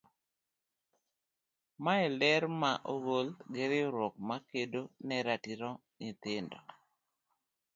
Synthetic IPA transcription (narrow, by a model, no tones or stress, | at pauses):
maɛlɛɾmaʔoɡolɡeɾɪoɾwɔk̚makedonɛɾatiɾɔ | nɪt̪ɪndɔ